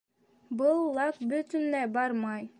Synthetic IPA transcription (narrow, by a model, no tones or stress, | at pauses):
bɤlˠːɑkbɵt̪y̆nlæbɑɾmɑj